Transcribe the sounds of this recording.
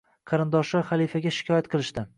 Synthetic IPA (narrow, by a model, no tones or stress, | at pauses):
qʰɑɾɪnd̪ɒʃɪχalifaɡʲaʃɪ̥kʲʰɒjat̪qʰɨlˠɪʃd̪ɪ